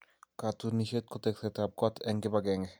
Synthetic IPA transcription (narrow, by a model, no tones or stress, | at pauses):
kat̪uniʃet̪̚kot̪eksɛt̪ab̚kɔt̪ʰɛŋɡebaɡɛŋɛ